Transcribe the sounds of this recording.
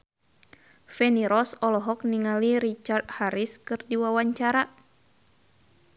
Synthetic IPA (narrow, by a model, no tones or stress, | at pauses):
fɛniɾɔsɔlɔɦɔk̚niŋaliɾit͡ʃart̪̚haɾiskɨrdiwawaɲt͡ʃaɾa